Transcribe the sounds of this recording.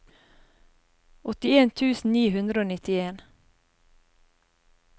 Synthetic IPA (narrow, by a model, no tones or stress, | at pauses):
ɔt̪ɪeːnt̪ʰʉːsn̩niːhʉnd̪ɾəoːnɪt̪ɪeːn